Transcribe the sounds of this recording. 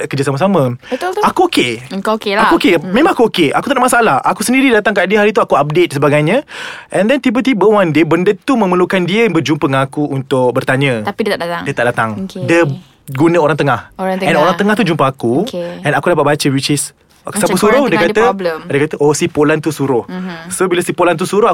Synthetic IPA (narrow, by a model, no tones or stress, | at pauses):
kərd͡ʒas̬amas̬amə̃akuokekakuokemẽmãŋakuokeʔakut̪adaʔmasaalahʔakusəndiɾidat̪aŋkaʔdiəɦaɾit̪uakuap̚det̪̚səbaɡajɲə̃ʔɛ̃ndɛnt̪ibət̪̬ibəwandebəndət̪umə̃məlukandiəbərd͡ʒumpəŋakuʔunt̪ʊk̚bərt̪aɲə̃aidət̪adat̪adiət̪aʔdat̪aŋdə | ɡunə̃oɾaŋt̪əŋahɛnoɾaŋt̪əŋaht̪ud͡ʒumpaakukɛ̃nakudapat̪̚bat͡ʃəwit͡ʃɪs | ksapəsuɾʊhdiəkat̪ədiəkat̪əʔosipolant̪usuɾʊhsobilasipolant̪̬usuɾʊa